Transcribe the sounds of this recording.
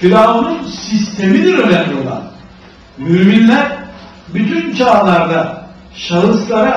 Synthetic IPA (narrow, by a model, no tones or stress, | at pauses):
fiɾaununsist̪ʰe̞mid̪iɾønɛnijo̞lˠa̰n | myːminlʲæɾ | byt̪ʰynt͡ʃʰaːlˠaɾd̪a | ʃalˠɯslˠaɾɯ